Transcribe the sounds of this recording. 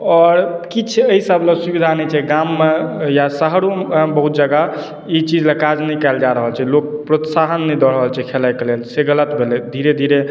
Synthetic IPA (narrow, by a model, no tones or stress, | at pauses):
ɔɾkit͡ʃʰəisəbləsubid̪ʱanɛt͡ʃʰɛɡamːejasəɦɽobəɦut̪̚d͡ʒəɡa | it͡ʃid͡ʒlakad͡ʒnəjkɛld͡ʒaɾəɦəlt͡ʃʰɛlok̚pɾot̪saɦənːɛd̪ɔɽəɦəlt͡ʃʰɛkʰelajkelelseɡələt̪bʱeled̪ʱiɾed̪ʱiɾe